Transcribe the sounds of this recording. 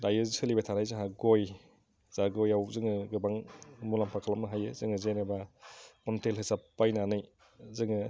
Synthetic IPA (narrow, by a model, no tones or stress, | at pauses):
dajɯzsʰɯlibatʰanajzɯɦaɡoj | z̥aɡojawzɯŋɯɡɯbaŋmulampʰakʰalamnɯɦajɯzɯŋɯzenebakɔntelɦɯsapːajnanɯj | zɯŋɯ